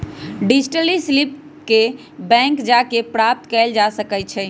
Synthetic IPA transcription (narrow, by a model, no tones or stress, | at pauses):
ɖid͡ʒʈəlislip | ke | bɛ̃ŋkd͡ʒakepɾap̚t̪kɛld͡ʒasəkɛt̚t͡ʃʰɛ